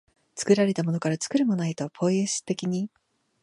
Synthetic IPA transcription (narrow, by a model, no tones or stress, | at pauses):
t͡sɨ̥kɯ̟ɾaɾe̞t̪amo̞no̞kaɾat͡sɨ̥kɯ̟ɾɯ̟monait̪o̞pʰo̞eɕi̥t̪e̞kʲiɲ̟i